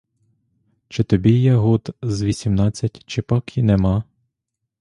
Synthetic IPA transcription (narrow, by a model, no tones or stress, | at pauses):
t͡ʃɪt̪ɔbʲijɛɦut̪zʋʲisʲimnɑt͡sʲːɐtʲt͡ʃɪpɑkinɛmɑ